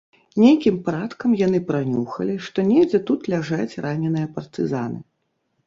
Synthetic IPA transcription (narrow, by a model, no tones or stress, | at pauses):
nʲejkʲimpaɾat̪kɐmjan̪ɨpɾanʲuxɐ̰lʲiʂt̪ɔnʲed͡zʲɛt̪ut̪lʲaʐat͡sʲranʲɛnɨjɐpɐrt̪ɨza̰nɨ̰